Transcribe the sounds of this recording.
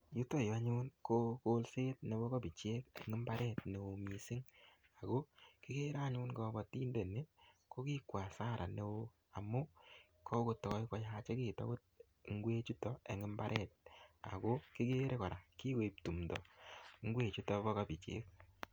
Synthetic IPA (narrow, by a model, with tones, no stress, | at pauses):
ju˦tɔ˦ja˦ɲʊ˦nko˦ko˦lse˦t̚ne˨bo˦ka˦bi˨t͡ʃje˦ke˨ŋɪ˦mba˦ɾɛ˦tne˨wo˨mi˨si˦ŋ | a˨ɡo˦ki˦ɡe˦ɾa˦ɲʊ˦nɡɔ˨˦bɔ˨ti˦nde˨ne˦ko˦ki˦kwa˨sa˦ɾʔa˨ne˨wo˧ | a˨mːo˦ | kʰɔ˦ko˨tɔ˨kɔ˦i˦kɔ˨˦ja˦t͡ʃe˦kiː˨ta̰˦bo˦t̚ | ŋ˦ɡwe˦t͡ʃu˦tɔ˨e˨ŋɪ˦mba˦ɾʔɛ˦˨t̚a̰˨ɡo˦ki˦ɡe˦ɾʔe˦kɔ˨ɾa˨ki˦ke˨i˨p̚tu˨mdɔ˨ŋ˦ɡwe˦˨t͡ʃu˦tɔ˨bɔ˦ka˦bi˨t͡ʃḛ˦k̚